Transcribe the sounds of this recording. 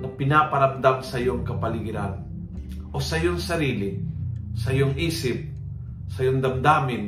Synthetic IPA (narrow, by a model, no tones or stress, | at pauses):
ŋɐpɪnapɐɾamd̪amsɐjoŋkɐpɐlɪɡɪɾan | ʔosɐjoŋsɐɾiːlɪsɐjoŋʔiːsɪp̚ | sɐjoŋd̪ɐmd̪aːmɪn